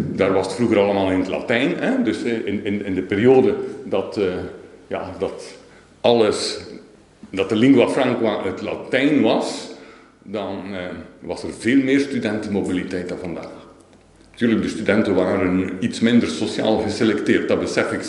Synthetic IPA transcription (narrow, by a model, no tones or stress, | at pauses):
daːrʋɑsətfruɣəɾɑlˠəmaːlˠɪnətla̰tɛjnɛdɵsɪnɪnɪndəpeːrioːdədɑt | ja̰dɑt | ɑlˠəs | dɑtəlɪŋɡwafrɑŋkwaʔətla̰tɛjnʋɑs | dɑnʋɑsərveːlˠmɪːrstydɛntəmobilitɛjtanvɑnda̰ːx | ntyːrləɡ̚dəstydɛntəʋaːɾənitsmɪndərsosja̰ːlˠɣəselɛktɪːrt̚dɑbəsɛfɪk